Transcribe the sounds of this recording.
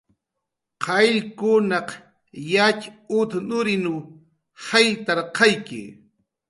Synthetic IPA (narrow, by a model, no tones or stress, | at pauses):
qʰɑʎkʊnɑq | jat͡ʃʊt̪nʊɾɪnʊ | hajt̪aɾqɑjkɪ̰